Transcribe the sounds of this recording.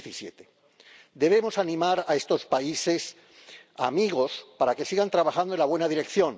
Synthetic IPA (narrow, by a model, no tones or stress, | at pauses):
isjet̪e | d̪e̞β̞e̞mo̞sanĩmaɾae̞st̪o̞spaise̞s | a̰miɣo̞spaɾake̞siɣant̪ɾaβaxand̪o̞nlaβwe̞naðiɾe̞kθjõ̞n